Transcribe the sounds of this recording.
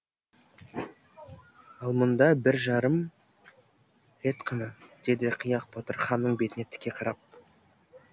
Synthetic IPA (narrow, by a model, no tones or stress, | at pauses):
ɑlˠmənd̪ɑbɪɾʒɑɾəm | ɾe̞t̪qʰənəd̪̥e̞d̪ɪqʰijɑq̚bot̪əɾχɑnːəɴbe̞t̪ɪne̞t̪ʰːɪ̥kʲːe̞qʰɑɾɑp̚